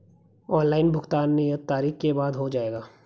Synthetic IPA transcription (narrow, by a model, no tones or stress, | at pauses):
ɔːnlaːɪnbʱʊxt̪aːnːijət̪ːaːɾiːxkebaːd̪ɦod͡ʒaːeːɡaː